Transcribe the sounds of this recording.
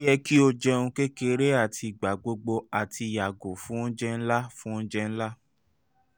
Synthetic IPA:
jɛ˦ki˦o˧d͡ʒɛ˧ũ˧ke˦ke˦˧ɾe˦a˦˨tʰi˧˨ɡ͡ba˨ɡ͡bo˧ɡ͡bo˧a˨ti˧˨ja˨ɡo˨fũ˦n̩˦d͡ʒɛ˦n̩˦la˦fũ˦n̩˦d͡ʒɛ˦˧ñ̩˦la˦

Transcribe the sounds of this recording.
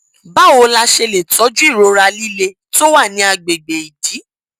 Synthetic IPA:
ba˦˨wo˧la˧ʃe˧le˨tɔ˨˦d͡ʒu˦i˦˨ɾo˨˧ɾa˧li˦le˧˦ | to˦wa˦˨nĩ˨˧˦a˧ɡ͡be˨ɡ͡be˨i˨di˨˦

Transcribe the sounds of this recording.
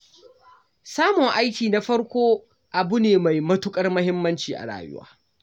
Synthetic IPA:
saː˦mʊ˨ŋʔa˦jkʲiː˨na˦ɸɐ˦ɽkʷoː˦ | ʔa˨bʊ˦neː˨ma˨jmɐ˦tʊ˦kʼɐ˦rmɐ˦hɪ˦mːɐ˦nt͡ʃiː˨ʔa̰˨ɽa̰ː˨jʊ̰˦wa̰ː˦

